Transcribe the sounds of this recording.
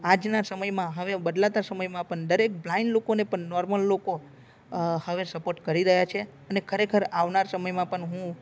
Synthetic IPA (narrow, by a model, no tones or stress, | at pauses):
ad͡ʒnasəməjmãɦəʋebəd̪lat̪asəməjmãpəɳd̪əɾek̚blaɪɳɖlokonepəɳːɔɾməlːoko | həʋesəpoɾʈkəɾiɾəɦjat͡ʃʰe | ənekʰəɾekʰəɾaʋnaɾsəməjmãpəɳɦũ